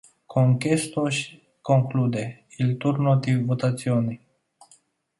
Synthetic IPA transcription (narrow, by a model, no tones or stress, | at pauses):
kʰoŋkest̪oʃʲ | koŋklud̪eilt̪urnot̪ivot̪at̪sioni